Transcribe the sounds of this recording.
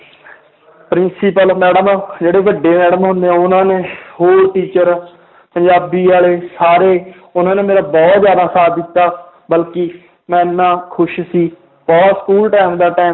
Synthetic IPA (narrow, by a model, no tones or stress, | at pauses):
pɾɪnsɪpəlmɛːɽəmd͡ʒeːɽeːʋəɖːeːmɛːɽəmɦʊ̃nd̪eːãːʊnãːneːhoːɾʈiːt͡ʃəɾ | pəɲd͡ʒaːbiːaːleːsaːɾeː | ʊnãːneːmeːɾaːbɔːt̪zjaːd̪aːsaːt̪d̪ɪt̪ːaː | bəlkiː | mɛ̃ːɪnːãːkʰʊʃsiː | bɔːt̪skuːlʈɛːmd̪aːʈɛː